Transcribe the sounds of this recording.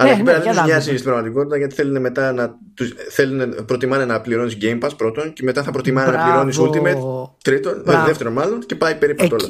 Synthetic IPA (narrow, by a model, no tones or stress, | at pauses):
ɐlɐpeɾɐlit̪zɲɐsist̪ibɾɐɣmɐt̪iko̞t̪it̪ɐʝɐt̪i̥θelune̞me̞t̪ɐnɐ | t̪usθe̞lunepɾo̞t̪imɐnenɐpliɾo̞nisɟe̞jmpɐspɾo̞t̪o̞nce̞me̞t̪ɐθɐpɾo̞t̪imɐnenɐpliɾo̞nisult̪imet̪t̪ɾit̪o̞neðeft̪e̞ɾonmɐlo̞nce̞pɐipe̞ɾipɐolɐ